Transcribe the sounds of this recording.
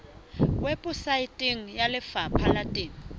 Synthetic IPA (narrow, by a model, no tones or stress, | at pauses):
wɛpʼʊsaitʼiŋ̩jalɪfapʰalatʼiːŋ̩